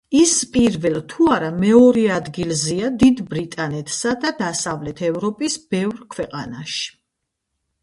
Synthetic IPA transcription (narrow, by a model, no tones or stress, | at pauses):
ispʼiɾvɛlˠt̪ʰuaɾamɛɔɾɛad̪ɡilˠziad̪id̪bɾit̪ʼanɛt̪ʰsad̪ad̪asavlɛt̪ʰɛvɾɔpʼisb̥ɛvɾkʰwɛqʼanaʃi̥